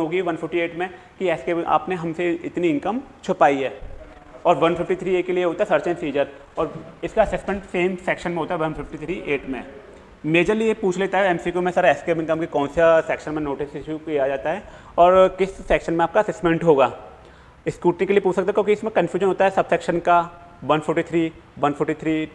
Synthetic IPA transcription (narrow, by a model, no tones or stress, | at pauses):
ɦoːɡiʋɐnfɪfʰʈieːʈmẽ | kiɛːskeːbɪ̃ŋa̰ːpneɦɐmseɪt̪niɪ̃nkəmt͡ʃʰʊpaːiɦɛː | ɔːɾʋɐnfɪfʈit̪ʰɾiːeːʈkelieɦoːt̪aɦɛsɐɾt͡ʃẽnsiːd͡ʒəɾ | ɔːɾɪskaɐsɛsmẽɳʈseːmsɛːkʃənmẽɦoːt̪aɦɛʋɐ̃nfɪfʈit̪ʰɾiːʔeːʈmẽ | meːd͡ʒəɾliepuːt͡ʃʰleːt̪aɦɛɛmsikomẽsaːɾaɛskeːbɪ̃ŋkəmkekɔ̃ːnsasɛːkʃənmẽnoːʈɪsɪʃukijad͡ʒaːt̪aɦɛː | ɔːɾkɪsːɛːkʃənmẽaːp̚kaɐsɛːsmẽɳʈɦoːɡaː | ɪskuːʈnĩkeliepuːt͡ʃʰsɐk̚t̪aɦɛkjõːkiɪsmẽkɐ̃nfʰjuːʒənɦoːt̪aɦɛsɐbsɛːkʃənka | ʋɐnfʰɔɾʈit̪ʰɾiːʋɐnpʰɔɾʈit̪ʰɾiː